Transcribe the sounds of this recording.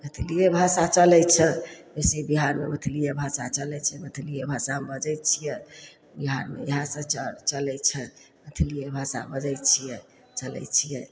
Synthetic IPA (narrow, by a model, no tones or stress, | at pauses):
ɡət̪ʰlijebʱasat͡ʃəlɛjt͡ʃʰɛbeseibiɦaɾmḛbət̪ʰlijebʱasat͡ʃəlɛt͡ʃʰɛbət̪ʰlijebʱasabəd͡ʒɛjt͡ʃʰijɛ | biɦaɾmḛeɦãsə̃t͡ʃət͡ʃəlɛt͡ʃʰɛ | mət̪ʰlijebʱasa̰bəd͡ʒɛjt͡ʃʰijɛ | t͡ʃəlɛ̰jt͡ʃʰijɛ